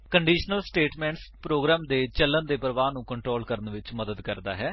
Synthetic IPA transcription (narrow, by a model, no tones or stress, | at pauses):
kəɳɖiːʃnəlsʈeːʈmɛ̃ːɳʈspɾoːɡɾaːmd̪eːt͡ʃəlːənd̪eːpəɾʋaːnũːkəɳʈɾoːlkəɾənʋɪt͡ʃməd̪əd̪kəɾd̪a̰ːɦɛː